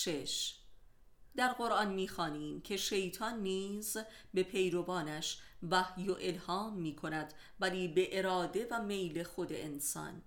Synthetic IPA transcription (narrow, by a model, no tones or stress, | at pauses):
ʃeʃ | d̪æɾɢo̞ɾʔɒnmiːxɒːniːmcʰe̞ʃe̞jt̪ʰɒnːiːz | be̞pʰe̞jɾo̞bɒːnæʃvæhjoʔe̞lhɒːmːiːkʰo̞næd̪ | væliːbe̞ʔe̞ɾɒːd̪e̞væme̞jle̞xo̞d̪ḛʔensɒ̰ːn